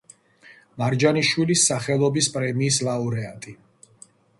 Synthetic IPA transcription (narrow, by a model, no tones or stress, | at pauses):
maɾd͡ʒaniʃwilisːaχɛlˠɔbispʼɾɛmiːslˠauɾɛat̪ʼi